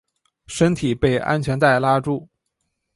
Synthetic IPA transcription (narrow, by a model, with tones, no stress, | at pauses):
ʂə˥nt̪ʰi˨˩pe˥˩ɪʔa̰˥nt͡ɕʰɥɛ˧˥nt̪a˥˩ɪla˥ʈ͡ʂu˥˩